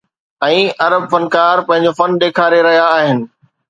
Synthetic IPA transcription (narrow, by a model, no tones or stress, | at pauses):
ɛ̃ːʔɐɾəb̚fɐnkaːɾpɐ̃ɦɪ̃ɲd͡ʑofɐnɗ̪eːkʰaːɾeɾɐɦijaːɦɪnɪ̆